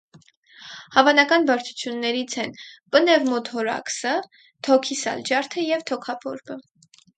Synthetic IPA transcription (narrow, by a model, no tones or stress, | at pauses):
hɑvɑnɑkɑnbɑɾt͡sʰu̥t͡sʰjunːɛɾit͡sʰɛnpənɛvmɔt̪hɔɾɑ̰ksə | t̪ʰɔkʰisɑ̰ld͡ʒɑɾt̪ʰəjɛvt̪ʰɔkʰɑpʰɔ̰ɾbə